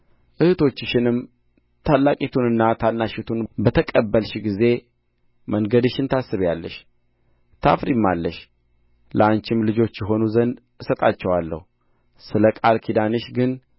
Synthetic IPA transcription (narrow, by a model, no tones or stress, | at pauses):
ʔɨhɨt̪ʰo̞t͡ʃːɨʃɪnɨm | t̪ʰalːakʼit̪ʰunɨnːat̪ʰanːaʃɛt̪ʰunbət̪ʰəkʼəbːəlʃɡize̞ | məŋɡəd̪ɨʃɪnt̪ʰasːɨβjalːə̰ʃ | t̪ʰafɾimːalːəʃ | ləant͡ʃɪmlɨd͡ʒo̞t͡ʃːjɛɦo̞nuzənd̪ | ɨsət̪ʼat͡ʃːɛwalːə̰hu | sɨləkʼalkʰid̪anɨʃɡɨn